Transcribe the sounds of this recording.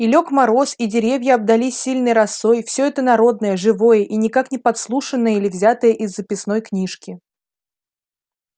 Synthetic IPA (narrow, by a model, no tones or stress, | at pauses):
ɪlʲokmɐɾo̞sidʲɪɾʲevʲjəɐb̚d̪ɐlʲisʲːilʲnɨjɾɐsːo̞jfsʲɵɛt̪ənɐɾo̞d̪nəjəʐɨvo̞jəʔinʲɪkaknʲɪpɐt̪slˠuʂɨnːəjəilʲɪvzʲat̪əjəʔɪzːəpʲɪsno̞jknʲiʂkʲɪ